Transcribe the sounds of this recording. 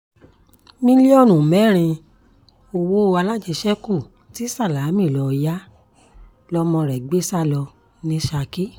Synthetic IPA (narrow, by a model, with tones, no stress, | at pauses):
mĩ˦li˦ɔ˦˨nũ˨mɛ˨˦˨ɾ̃ĩ˧ | o˧wo˦˧a˧la˦˨d͡ʒe˨˧ʃɛ˦ku˦˨ | ti˨˦sa˦˨la˨˦mĩ˦˨lɔ˧ja˦ | lɔ˧mɔ̃˧ɾɛ˨ɡ͡be˦sa˦˨lɔ˧ | nĩ˧˦ʃa˧ki˦